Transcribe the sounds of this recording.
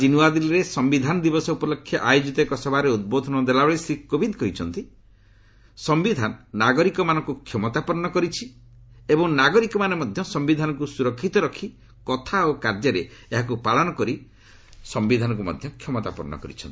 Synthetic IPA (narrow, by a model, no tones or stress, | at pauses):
d͡ʒinuwad̪ilɔɾesɔmbid̪ʱanɔd̪ibɔsɔupɔlokʰːjɔʔajod͡ʒit̪ɔekɔsɔbʱaɾeud̪̚bod̪ʱɔnɔd̪elaɔɭisɾikːobid̪kɔɦit͡ʃʰɔnt̪i | sɔmbid̪ʱanɔːaɡɔɾikɔmanɔ̃ŋkukʰjɔmɔt̪apɔɾnɔkɔɾit͡ʃʰi | ebɔŋnaɡɔɾikɔmanemɔd̪ʱjɔsɔmbid̪ʱanɔkusuɾɔkʰːit̪ɔɾɔkʰi | kɔt̪ʰaokaɾd̪jɔɾeeɦak̬upaɭɔnɔkɔɾi | sɔmbid̪ʱanɔ̃ŋk̬umɔ̰d̪ʱjɔkʰjɔmɔt̪a̰pɔɾnɔ̰kɔ̰ɾḭt͡ʃʰɔnt̪i̥